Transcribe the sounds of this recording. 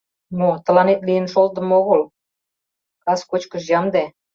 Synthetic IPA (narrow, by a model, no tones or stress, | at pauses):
mot̪ə̆lɑnet̪lijə̆nʃolt̪ə̆moɣəl | kɑskot͡ɕkəʃ̬jɑmd̪e